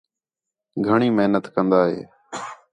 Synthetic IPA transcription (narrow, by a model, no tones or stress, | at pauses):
ɡʱəɳiːməɦnət̪kənd̪aːɦḛː